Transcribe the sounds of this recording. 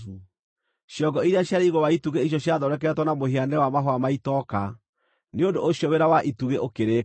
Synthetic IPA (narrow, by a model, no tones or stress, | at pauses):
ʃjɔɡɔiɾeaɕjaɾeiɣowaituɣeiɕ̬jɔɕjaðɔɾɛk̬ɛtwɔnamoɦeanɛwamaɦoamaitɔka | neondoʔːɕjɔweɾawaʔituɣeʔokeɾe